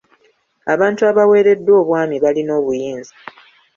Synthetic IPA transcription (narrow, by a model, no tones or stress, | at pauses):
aβaːntuaβawe̞ːɾe̞dːwo̞ːβwaːmiβalino̞ːβujiːnzi